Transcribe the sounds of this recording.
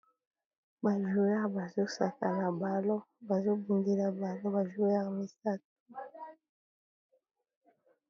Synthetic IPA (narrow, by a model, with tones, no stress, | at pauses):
ba˨ʒo˨ja˦ba˨zo˦sa˨ka˨na˨ba˨lo˦ | ba˨zo˦bu˨ndi˦la˨ba˨lo˦ba˨ʒo˦ja˦kmi˦sa˦t̚u˦